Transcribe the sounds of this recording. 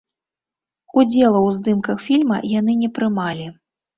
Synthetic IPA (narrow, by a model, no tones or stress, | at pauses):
ud͡zʲɛlˠɐwzd̪ɨmkɐxfʲilʲmɐ̰jan̪ɨnʲɛpɾɨmalʲi